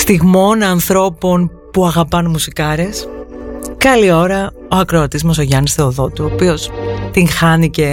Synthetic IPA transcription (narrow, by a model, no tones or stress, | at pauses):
st̪iɣmo̞nɐnθɾo̞po̞n | puɐɣɐpɐnmusikɐɾe̞s | kɐlio̞ɾɐ | o̞ɐkɾoɐt̪izmos̬o̞ʝɐnisθe̞oðo̞t̪uopio̞st̪iŋxɐnice̞